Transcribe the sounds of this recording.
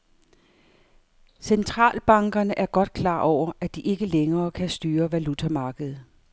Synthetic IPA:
sent͡sʰʁɑ̰̈ːlb̥ɑ̈ŋɡ̥ɐnəʔæɐɡ̥ɒ̽d̥̚kʰlɑ̰̈ːʔɒʊ̰ɐʔæd̥iʔe̝ɡ̥əleŋɐːkʰæsd̥yːɐʋælut͡sʰæmɑ̈ːɡ̥əð̞̩ˠ

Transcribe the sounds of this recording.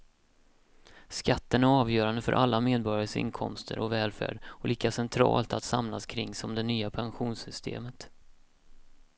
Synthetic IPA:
skat̪ːənæɾɑːvjœːɾand̪əfœ̰ɾʔalːameːd̪̚bɔɾjaəsɪ̰nkʰɔ̰mst̪ʰə̰ɾʔɔvɛːlfæ̰ːɖɔliːkasɛnt̪ʰɾɑ̰ːlt̪at̪samlaskʰɾɪŋːsɔmd̪ɛnyːapʰanɧuːnsʏst̪ʰḛːmət̪

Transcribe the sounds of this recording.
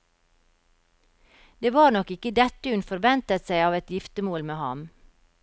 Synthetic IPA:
d̪̥eːʋɑːɾnɔkɪkəd̪ɛt̪əʉnfɔɾʋɛnt̪ət̪sæɪɑːʋɛt̪jɪft̪əmoːlmeːhɑ̰m

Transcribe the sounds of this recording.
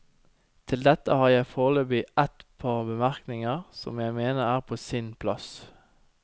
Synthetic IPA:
t̪ʰɪld̪ɛt̪əhɑːʁjæɪfoːʁløːbɪʔɛt̪pʰɑːʁbəmæʁknɪŋəʁsɔ̰mjæɪmeːnəʁæːʁpʰoːsɪnpʰlɑs

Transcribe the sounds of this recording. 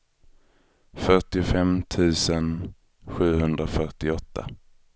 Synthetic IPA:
fœʈɪʊfɛmt̪ʰʉ̟ːsən | ɧʉ̟ːɦɵnd̪ɾafœʈɪɔt̪ʰːa̰

